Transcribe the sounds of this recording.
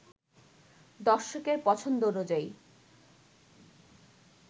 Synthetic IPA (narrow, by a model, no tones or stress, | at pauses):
d̪ɔɾʃokeɾpɔt͡ɕʰond̪oonod͡ʑaj